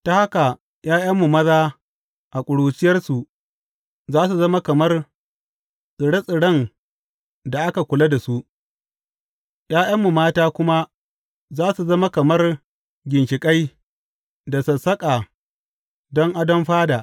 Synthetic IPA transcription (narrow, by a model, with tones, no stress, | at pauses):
ta˨ha˦ka˨ | j̰aː˦jɐ˦mːu˨mɐ˦zaː˦ | ʔa˨kʷʼʊ˨ɽuː˨t͡ʃɪ˦jɐ˦rsu˨ | zaː˦su˨zɐ˦ma˦kɐ˨mɐ˦r | sʼɪ˨ɽɐ˦sʼɪ˨ɽɐ˦n | da˨ʔa˦ka˨kʷʊ˨lɐ˦da˨su˦ʔ | j̰aː˦jɐ˦mːu˨maː˦taː˦kʷʊ˦ma˦ | zaː˦su˨zɐ˦ma˦kɐ˨mɐ˦r | ɡʲɪ˨ŋkʲɪ˨kʼa˦j | da˨sɐ˨sɐ˦kʼa˨ | dɔ˦ŋʔa˦dɐ˦mɸaː˦da˨ʔ